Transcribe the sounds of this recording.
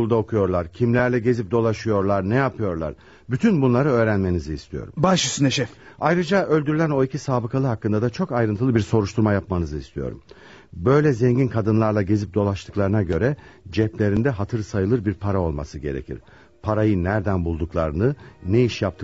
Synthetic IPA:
ulˠd̪ao̞kʰujo̞ɾlˠaɾcʰimlʲæɾlʲɛɟe̞zip̚d̪o̞lˠaʃɯjo̞ɾlˠaɾnɛjapʰɯjo̞ɾlˠa̰ɾ | byt̪ʰynbunlˠaɾɯø̞ːɾænme̞niziːst̪ʰijo̞̰ɾṵmbaʃysynɛʃɛfajɾɯd͡ʒaʔølʲd̪yɾylʲæno̞icʰisaːbɯkʰalˠɯɦakːɯnd̪ad̪at͡ʃʰo̞kajɾɯnt̪ʰɯlˠɯbiɾso̞ɾuʃt̪ʰuɾmajapmanɯzɯist̪ʰijo̞̰ɾṵm | bø̞jlʲɛzɛɲɟinkʰad̪ɯnlˠaɾlˠaɟe̞zip̚d̪o̞lˠaʃt̪ʰɯ̥klˠaɾɯnaɟø̞ɾɛd͡ʒɛplʲe̞ɾind̪ɛɦat̪ʰɯɾsajɯlˠɯɾbiɾpʰaɾao̞lˠma̰sɯɟe̞ɾḛcʰḭɾ̥ | pʰaɾajɯnːæɾd̪ænbulˠd̪uklˠaɾɯnɯneiʃjap̚t̪ʰɯ

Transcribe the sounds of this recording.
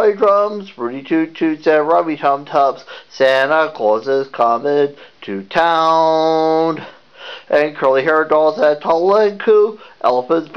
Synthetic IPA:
ɪdɹʌ̃mzbɹʉɾitʰʉtʰʉtsɨ̃nɹɑbitʰʌ̃mtʰʌpssænəkʰlɔzɪz̥kʰɑmɛ̃ntʰɨtʰãʊʊn | ʔɨ̃nkʰɜ˞lˠiɦɛ˞dɔlˠzɨtʰɑl̩ˠɪ̃nkʰuʔɛ̰lˠəfə̃nsb̥

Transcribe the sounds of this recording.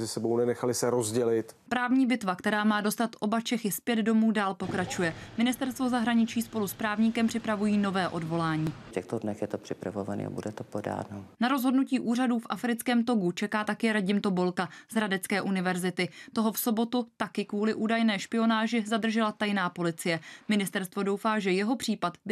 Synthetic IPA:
zɪsɛbownɛnɛxalɪsɛɾo̞zɟɛlɪt̪pɾaːvɲiːbɪt̪vakt̪ɛɾaːmaːdo̞st̪at̪ʔo̞bat͡ʃɛxɪspjɛd̪do̞muːdaːlpo̞kɾat͡ʃujɛmɪnɪst̪ɛɾst̪vo̞zaɦɾaɲɪt͡ʃiːspo̞luspɾaːvɲikɛmpr̥ɪpɾavujiːno̞vɛːʔo̞dvo̞laːɲiːfcʲɛxt̪odnɛxjɛt̪opr̥ɪpɾavovanḭːa̰bṵdɛt̪opoda̰ːnonaɾozɦo̞dnuciːʔuːraduːfʔafɾɪt͡skɛːmt̪o̞ɡut͡ʃɛkaːt̪akɛɾaɟɪmt̪o̞bo̞lkaz̥ɾadɛt͡skɛːʔunɪvɛɾzɪt̪ɪt̪o̞ɦo̞fso̞bo̞t̪ut̪akɪkvuːlɪʔuːdajnɛːʃpɪo̞naːʒɪzad̪r̩ʒɛlat̪ajnaːpo̞lɪt͡sɪjɛmɪnɪst̪ɛɾst̪vo̞do̞wfaːʒɛjɛɦo̞pr̝̥iːpat̪bɪ

